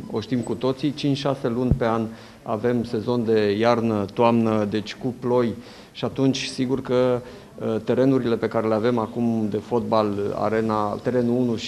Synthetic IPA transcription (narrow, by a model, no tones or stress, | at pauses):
o̞ʃt̪imkut̪o̞t̪sit͡ʃint͡ʃʲʃase̞lunʲpe̞an | ave̞mse̞zo̞nd̪e̞jarnət̪oamnəd̪e̞t͡ʃʲkuplo̞j | ʃiat̪unt͡ʃʲsiɡurkə | t̪e̞ɾe̞nuɾile̞pe̞kaɾe̞leave̞makumd̪e̞fo̞t̪̚bala̰ɾe̞nat̪e̞ɾe̞nuunuʃ